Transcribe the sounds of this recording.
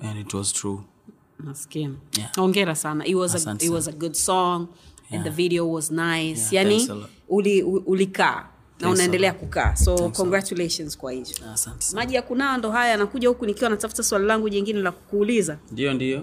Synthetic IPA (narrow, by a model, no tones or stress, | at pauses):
jantwɔ̰z̥tʰɹu | naskimaɔŋɡɛɾasana̰ʔitwɔzwɔzəɡudsɔŋ | ɛ̃nðəviɾiɔwɔznajsjani | uliʔulika̰ː | naunaɛndɛlɛakuka̰ːsɔkɔŋɡɾat͡ʃuleʃɔnz̥kwahivɔsnmaʄijakunajɔndɔɦajaanakuʄahukunikiwanatafu̥taswalilaŋɡuɲiŋɡinɛlakkuːlizandijɔndiɔ